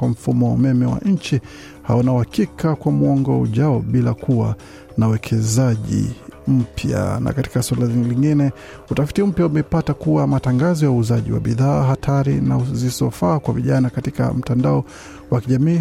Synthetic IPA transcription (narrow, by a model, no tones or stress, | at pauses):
wam̩fumɔwaumɛmɛwa̰ɲ̩t͡ʃi | ha̰ɔnauhakikakwamuɔŋɡɔṵʄaɔɓilakʰuwa̰ | nauwɛkʰɛzaʄḭm̩pʰja̰na̰kati̥kaswalaliŋɡinɛ | utafi̥tim̩pjaumɛpatakuwamataŋɡazɔjauːzaʄḭwa̰ɓiðaːɦatʰaɾinazizɔfaːkwaviʄanakatika̰m̩tandaɔ | wakiʄamiː